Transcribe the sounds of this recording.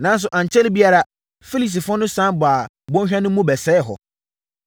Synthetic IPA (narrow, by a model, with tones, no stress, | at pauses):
nã˨˦n˦s̬ʊ˨ʔã˨ɲt͡ɕʰɛ˦lbi˦a˦ɾa˨ | fi˦li˨s̬i˨fɔ˦nʊ̃˦sã˦bʊ˨a˨ | bɔ̃˦ɕᶣɛ̃˦nʊ̃˦mũ˦bɛ˨sɛː˦ɦɔ̰˨